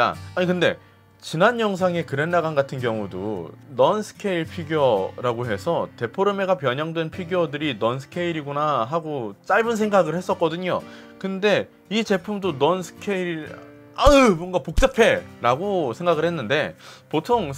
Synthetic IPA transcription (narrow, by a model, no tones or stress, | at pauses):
a̰aɲikɯnde̞̰ | t͡ɕinanjʌŋs̬ʰaŋe̞kɯɾe̞nːaɡanɡatʰɯnkjʌŋudo̰nʌnsʰɯ̥kʰeiɭpʰiɡjoɾaɡoɦe̞sʰʌte̞pʰoɾɯme̞ɡapjʌɲʌŋdwenpʰiɡjʌdɯɾinʌnsʰɯ̥kʰe̞iɾiɡonaɦaɡot͡ɕ͈aɭbɯnsʰeŋɡaɡɯɭhe̞s͈ʌt̚k͈ʌdɯɲo | kɯnde̞ | it͡ɕe̞pʰumdonʌnsʰɯ̥kʰeiɭ | aɯmoʌnɡapok̚t͡ɕ͈apʰe̞ɾaɡosʰe̞ŋɡaɡɯɭhe̞nːɯnde̞potʰoŋ